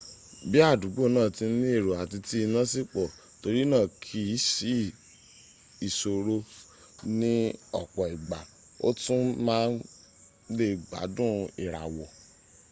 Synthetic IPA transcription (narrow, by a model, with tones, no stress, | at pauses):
bi˦a˦˨du˨˦ɡ͡bo˦˨nãː˦˨ti˧n̩˦nĩ˦e˦˨ɾo˨a˨ti˧ti˧˦i˧nã˦si˦k͡pɔ˨ | to˧ɾi˦nãː˦˨kʰi˧˦si˦ | i˨so˨ɾo˧ | nĩ˦ɔ˨k͡pɔ˨i˨ɡ͡ba˨ | o̰˦tũ˦mãː˦n | le˦˨ɡ͡ba̰˨˦dũ˦i˨ɾa̰˨wɔ˨